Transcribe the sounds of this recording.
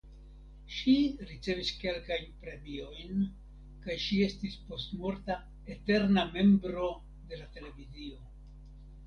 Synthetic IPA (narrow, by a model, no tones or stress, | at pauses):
ʃiɾit͡se̞viske̞lkajnpɾe̞mio̞jn | kajʃie̞stispo̞stmo̞ɾta | e̞te̞ɾname̞mbɾo̞ | de̞late̞le̞vizio̞